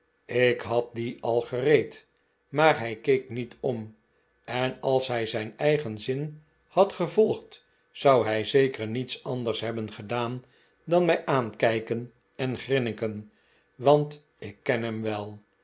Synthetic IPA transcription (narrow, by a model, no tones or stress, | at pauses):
ɪkɦɑt̚diʔɑlˠχərejt | maːɹɦɛjkejknitʰɔm | ɛnɑlˠsɦɛjzɛjnɛjχənzɪn | hɑtχəvɔlˠχt | sɑwɦɛjzejkəɹnitsɑndəɹsɦɛbənχədaːn | dɑnmɛjʔaːnkɛjkən | ɛnχrɪnɪkən | ʋɑnt | ɪkːɛnɦɛmʋɛlˠ